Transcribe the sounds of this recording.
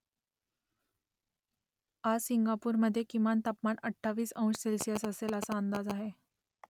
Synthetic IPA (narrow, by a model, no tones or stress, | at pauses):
ad͡zsiŋɡapuːɾməd̪ʱːjekimant̪apmanəʈʰːaʋiːsə̃w̃ʂselsijəsəseləsaənd̪ad͡zaɦe